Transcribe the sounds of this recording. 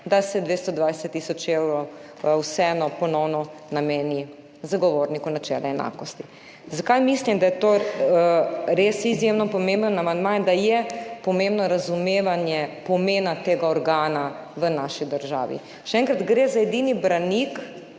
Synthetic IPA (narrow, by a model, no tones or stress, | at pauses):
d̪asɛd̪ʋeːst̪ɔd̪ʋajsɛt̪ːisɔt͡ʃewɾɔ | wsɛɛnɔpɔnɔwnɔnameːni | zaɡɔʋoːɾnikunat͡ʃɛ̰lʔɛɛna̰ːkɔst̪i̥ | zakajmislimd̪ajɛt̪o | ɾesizjemnɔpɔmẽmbənamand̪majd̪ajɛpɔmẽmbnɔɾazumeːʋanjɛpɔmeːnat̪eːɡaɔɾɡaːnaʋənaːʃid̪əɾʒa̰ːʋḭ | ʃɛɛ̃ŋkɾad̪ɡɾezaɛd̪iːnibɾanik